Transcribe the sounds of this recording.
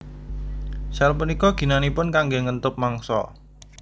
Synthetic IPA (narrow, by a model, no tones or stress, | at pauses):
salpunikɔɡ̥i̤nanipʊnkaŋɡeŋənt̪ʊp̚maŋsɔ̰